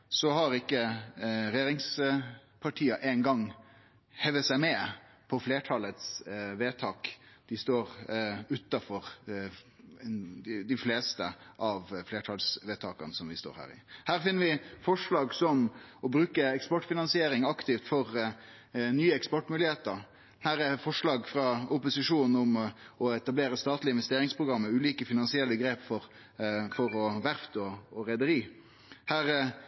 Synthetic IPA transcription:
sɔhɑɾɪkːəɾɛjeːɾɪŋspʰɑʈʰiːɑʔeːnɡɑŋː | hɛʋəsæɪmɛ | pʰɔfleːʈʰɑlət̪sʋeːt̪ʰɑːkd̪̥ɪst̪oːɾʉt̪ːɑfɔɾ | d̪d̪ɪfleːst̪əʔɑʋfleːʈʰɑlsʋeːt̪ʰɑːkɑnsɔmʋɪst̪o̰ːɾhæ̰ːɾɪ̰hæːɾfɪnːəɾʋɪfɔʂlɑːɡsɔmɔbɾʉːkəɛkspɔʈfɪnɑnsɪeːɾɪŋɑkt̪ɪft̪fɔɾ | nyːəɛkspɔʈmʉːlɪheːt̪əɾ | hæːɾɛfɔʂlɑːɡfɾɑʊpʊsɪʂuːnn̩ʊmɔɛt̪ɑbleːɾəst̪ɑːt̪lɪnʋɛst̪eːɾɪŋspʰɾʊɡɾɑmːəʉːliːkəfɪnɑnsɪɛlːəɡɾeːpfɔɾ | fɔɾɔʋæɾft̪ɔɔɾɛd̪əɾiː | hæːɾ

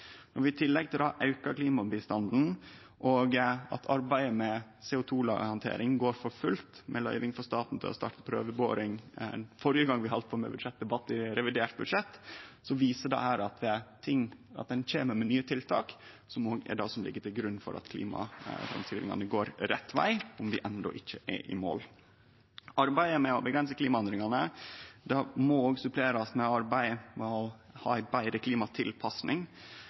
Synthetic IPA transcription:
nɔɾʋɪt̪ʰɪlːɛɡ̚t̪ʰɪld̪ɑʔɑʉkəɾkliːmɑbɪst̪ɑnd̪n̩ | ʔɔɡɑ̰t̪ʰɑɾbæɪəmɛ | sɛːʊt̪ʰuːlɑ̰ːɡhɑnt̪ʰḛːɾɪŋɡoːɾfɔɾfʉlt̪mʔɛlœ̰ʏʋɪŋfɔʂt̪ɑːt̪n̩t̪ʰɪ̰lɔ̰st̪ɑ̰ːʈə̥pʰɾø̰ːʋəbo̰ːɾɪŋfɔɾjəɡɑŋːʋɪhɑlt̪̚pʰomɛ̰bʉd̪ʂɛt̪̚d̪ɛbɑt̪ːɪɾɛʋɪd̪eːʈbʉd̪ʂɛt̪ːsɔʋiːsəɖɑ̰hæːɾɑt̪t̪ʰɪŋɑ̰t̪̚d̪ɛnc͡çeːməɾmɛnyːət̪ʰɪlt̪ʰɑ̰ːk | sɔmoːɡɛ̰ɖɑ̰ːsɔmlɪ̰ɡːəʈ̪ʰɪlɡɾʉnːfɔ̰ɾʔɑ̰t̪kʰlḭːmɑ̰fɾɑ̰msʰɪlɪ̰ŋɑ̰nəɡoːɾɾɛt̪ːʋæ̰ɪʊmd̪ɪʔɛnd̪ɔ̰ʔɪçːəʔɛ̰ʔɪ̰mo̰ːl | ʔɑɾbæɪəmɛɔbəɡɾɛns̬əkliːmɑɛnd̪ɾɪŋɑnəd̪ɑmɔoːɡsʉpʰleːɾɑsmɛɑɾbæɪmhɑ̰ːæbæɪɾəkʰliːmɑt̪ʰɪlpʰɑsnɪŋ

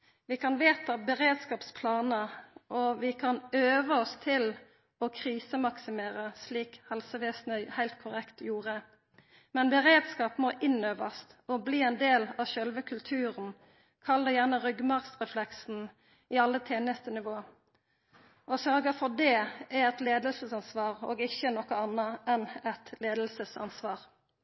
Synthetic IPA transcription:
ʋɪkʰɑnʋeːt̪ɑbəʁeːd̪skɑːpspʰlɑːnəʔɔʋɪkʰɑnøːʋəɔst̪ʰɪl | ɔkʰʁiːsəmɑksɪmeːʁəsliːkhɛlsəʋeːsnəhæɪlt̪̚kʰʊʁɛkt̪juːʁə | mɛnbəʁeːd̪skɑːpmɔːʔɪnøːʋəst̪ɔbliːɛnd̪eːlɑːʃœlʋəkʰʉlt̪ʰʉːʁən | kʰɑlːəjæʁnəʁʏɡmɑʁsʁɛflɛksn̩ | iːɑlːət̪ʰeːnəst̪ənɪʋoː | ɔsœʁɡɑfɔʁd̪ɛːæɛt̪leːd̪əlsəsɑnsʋɑːʁo̰ːɡɪçənɔkːəɑnːəɛnɛt̪leːd̪əlsəsɑ̰nsʋɑːʁ

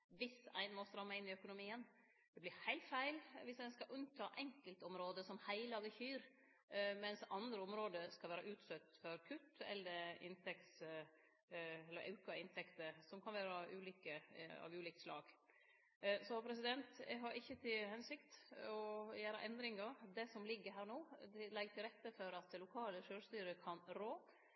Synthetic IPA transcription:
ʋɪsæ̰ɪnmɔst̪əɾɑmːæɪɪnːɪœkʊnʊmiːən | d̪̥ɛblɪhæɪlt̪fæɪlʋɪsæɪnskɑʔʉnt̪ʰɑːʔɛŋkəlt̪ɔmɾoːd̪əsɔmhæɪlɑʋəçyːɾ | mɛnsɑnd̪ɾəɔmɾoːd̪əskɑlʋæːɾɑʔʉːt̪sœt̪ːfɔɾkʰʉt̪ːɛ̰lːəɾɪ̰nt̪ʰɛk̚t̪s | ɛlːəɾʔɑ̰ʉkɑɪnt̪ʰɛkt̪əɾsɔmkʰɑnʋæːɾɑʔʉːliːkəɑ̰ʋʉːliːk̚t̪slɑ̰ːɡ̥ | sɔpʰɾɛsɪd̪ɛnt̪ɛɦɑɾʔɪçːət̪ʰɪlhɛnsɪkt̪ɔjæːɾɑʔɛnd̪ɾɪŋɑd̪ɛsɔmlɪɡːəɦæːɾɳoːd̪ɪlɛɡt̪ʰɪlɾɛt̪ːəfɔɾɑt̪lʊkʰɑːləʂøːʂt̪yːɾəkʰɑnɾoː

